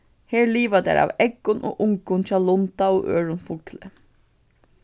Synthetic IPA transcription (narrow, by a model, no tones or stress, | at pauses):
heːɹliːʋad̪æ̰ɹɑ̰ːʋɛɡʊnʔo̰ːʔʊŋkʊnc͡çɑːlʊnt̪aoːʔøːɹʊnfʊlklə